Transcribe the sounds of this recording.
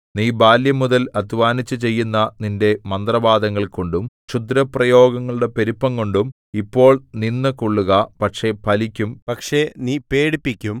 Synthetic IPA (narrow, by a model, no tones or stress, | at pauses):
niːbaːljɐmuðɐlɐd̪ʱʋaːnit͡ɕːɨt͡ɕe̞jːunːɐninde̞mɐnd̪rɐbaːd̪ɐŋːɐɭkoɳɖum | t͡ɕud̪ɾɐprɐjo̞ːɡɐŋːɐɭuɽe̞pe̞ɾipːɐŋko̞ɳɖum | ipːo̞ːɭninːɨkoɭːuɣɐpɐkʂe̞pʰɐlikʲːumpɐkʂe̞niːpeːɽipːikʲːum